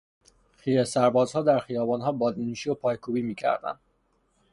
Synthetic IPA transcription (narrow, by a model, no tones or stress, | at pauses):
xijesæɾbɒːzhɒːd̪æɾxijɒːbɒːnɦɒːbɒːd̪inuːʃiopʰɒːjkʰuːbiːmiːcʰæ̰ɾd̪æ̰nd̪̥